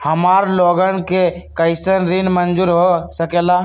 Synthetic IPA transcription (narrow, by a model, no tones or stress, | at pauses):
həmaɾloɡənkekəɪsənɾinmənd͡ʒuːɾɦosəkela